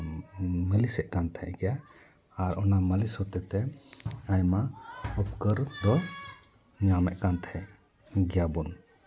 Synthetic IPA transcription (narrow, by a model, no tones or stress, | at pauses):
məlisɛʔkant̪ʰɛ̰ʔɡɛja | aɾɔnaməlisɔt̪ɛt̪ɛajmaɔp̚kəɾd̪ɔ | ɲamɛʔkant̪ʰhɛʔ | ɡɛjabun